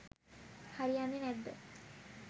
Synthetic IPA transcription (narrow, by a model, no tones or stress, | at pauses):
haɾijanːenɛd̪ːə